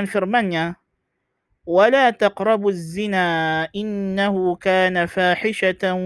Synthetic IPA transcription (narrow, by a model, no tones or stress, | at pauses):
nfɪɾmanjaː | walaːt̪ɑqɾˤɑbazːɪnaːʔɪnːahʊkaːnafaːħɪʃa